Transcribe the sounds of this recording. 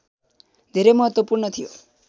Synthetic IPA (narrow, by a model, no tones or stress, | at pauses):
d̪ʱiɾemɔɦɔt̪wɔpuɾɳɔt̪ʰijo